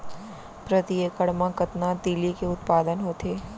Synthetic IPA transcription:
pɾət̪iekəɭmãkət̪nad̪ilikeʊt̪pad̪ənɦot̪ʰe

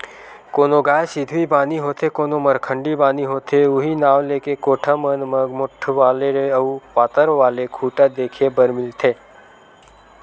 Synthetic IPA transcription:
koːnoɡaːjsɪd̪ʱʋibaːniɦoːt̪ʰekoːnoməɾkʰə̃ɳɖibaːniɦoːt̪ʰeʊɦinaːʋleːkekoːʈʰamənməɡmʊʈʰʋaːleɾeɐupaːt̪əɾʋaːlekʰuːʈad̪eːkʰebəɾmɪlt̪ʰeː

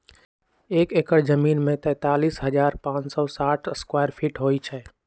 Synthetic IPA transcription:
eːkeːkəɽd͡ʒəmiːnmẽt̪ɛ̃ːt̪aːliːsɦəd͡ʒaːɾpãːt͡ʃsɔːsaːʈʰəskwaːjəɾpʰiːʈɦoːit͡ʃʰɛː

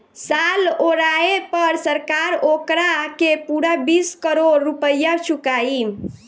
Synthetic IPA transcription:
saloɾaepəɾsəɾkaɾokɾakepuɽabiskəɾoɾːupəjːat͡ʃʰukai

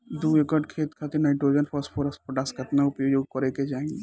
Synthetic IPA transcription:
d̪uekəɖkʰeːt̪kʰat̪enaɪʈɾoːd͡ʒənpʰəsʈpʰoɾəsʈpʰoʈaskɐt̪naʊpjoːjoːɡkəɾeked͡ʒaːẽŋɡe

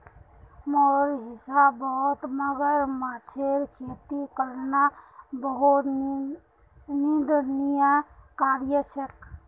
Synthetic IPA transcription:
mɔɾɦisabːəɦut̪məɡəɾmat͡ʃʰeɾkʰet̪ikəɾnabəɦut̪ | nid̪ʱnijakaɾjəsək

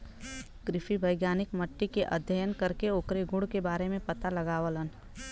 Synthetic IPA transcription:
kɾɪfʰibəɪɡjaːnɪkməʈːikeʔə̰d̪ʱjəjənkəɾkeoːkɾeɡʱʊɽkebaːɾemẽpət̪alɐɡaːʋələn

